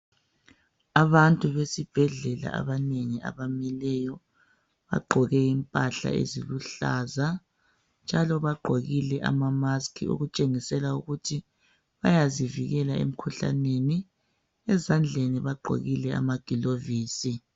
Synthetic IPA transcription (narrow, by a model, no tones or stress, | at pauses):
aβantʼuβesib̥ʱɛɮɛla̰ʔa̰βaneŋia̰βamɛlɛjɔ | βa̰ɡ͡ǃʱɔɣɛimpʼaɬa̰ḛziluɬa̰ːza | nd͡ʒʱalɔβaɡ͡ǃʱoɣilɛʔa̰mamaskʰḭṵɣut͡ʃʼeŋisɛlauɣutʰi | βajaziviɣɛlaḛm̩kʰuɬa̰neni | ɛzand͡ɮʱeniβaɡ͡ǃʱo̰ɣilɛa̰maɡ̥ʱiloviːsi